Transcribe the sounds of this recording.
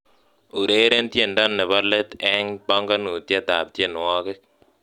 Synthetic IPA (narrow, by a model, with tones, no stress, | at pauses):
u˨ɾe˦ɾe˦ntje˨ndɔ˦˨nːe˨βɔ˦le˦t̪ɛ˦ŋpa˦ŋɡa˦nu˨tje˦ta̰˨p̚tje˦˨n˨wɔ˦kɪ˦k̚